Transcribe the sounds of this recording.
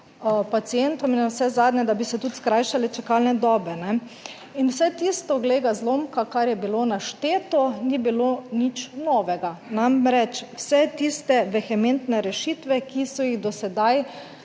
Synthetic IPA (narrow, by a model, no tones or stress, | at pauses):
pat̪siɛnt̪ɔminwsɛzaːd̪nɲɛd̪abisɛt̪ut̪skɾajʃalɛt͡ʃɛkalnɛd̪ɔːbɛnɛ | inwsɛt̪ist̪ɔɡleɡazloːmkakaɾjɛbilonaʃt̪eːt̪ɔnibilonit͡ʃnɔːʋɛɡanamɾɛt͡ʃwsɛt̪ist̪ɛʋɛxɛment̪nɛɾɛʃit̪ʋɛkisɔjiɣd̪ɔsɛd̪aj